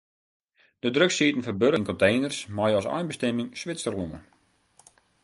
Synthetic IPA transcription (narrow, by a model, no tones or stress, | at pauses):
d̥ədrøksitən̩fɔbøɾənkɔ̃ntejnərsmajɔsa̰jnbəstɛmɪŋsʋɪt͡sərunə̰